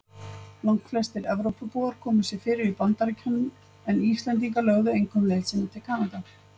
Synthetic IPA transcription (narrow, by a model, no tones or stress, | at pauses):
lawŋ̥kflɛst̪ɪɾɛvɾowpapuaɾ̥kʰɔːmʏsɛfɪːɾɪɾipant̪aɾɪcʰœnːʏm | ɛniːst̪lɛnt̪iŋkalœɣðʏejŋkʰɔmlelsɪnat̪ʰɪlkʰaːnat̪a